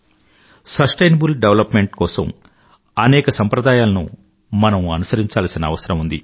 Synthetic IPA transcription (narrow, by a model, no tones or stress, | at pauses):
sɐsʈɐjnɐbulɖeʋɐlɐpme̞ɳʈkɔːsɐ̰m | ɐnɛːkɐsɐmpɾɐd̪aːjaːlɐnṵ | mɐnɐmɐnusɐɾiɲt͡ʃaːlɐsinɐːʋɐsɐɾɐmund̪i